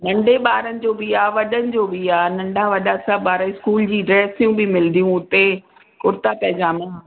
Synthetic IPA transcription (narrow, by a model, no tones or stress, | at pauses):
nɐ̃ɳɖʱeɓaːɾənɪ̆d͡ʑoːbiaːʋɐɗənɪ̆d͡ʑoːbiaːnɐ̃ɳɖʱaʋɐɗasabaːɾaɪskuːld͡ʑiːɖɾɛːsijũbɪmɪld̪ijũʊt̪e | kʊɾt̪apɐɦd͡ʑaːmən